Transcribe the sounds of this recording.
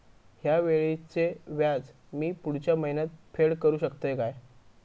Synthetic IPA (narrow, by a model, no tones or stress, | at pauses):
hjaʋeɭit͡seʋjad͡z | miːpuɽ̤t͡ɕjaməɦinat̪̚fʰeɭkəɾuːɕəkt̪əjkaj